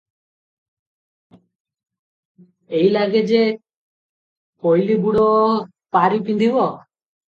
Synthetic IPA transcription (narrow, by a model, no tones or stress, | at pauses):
eilaɡed͡ʒe | kojlibuɽɔ | paɾipind̪ʱibɔ